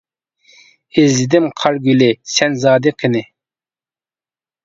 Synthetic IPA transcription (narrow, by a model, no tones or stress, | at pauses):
ɪzɪd̪ɪmqʰɑɾɡʲylɪsɛnzɑːd̪ɨqʰɪnɪ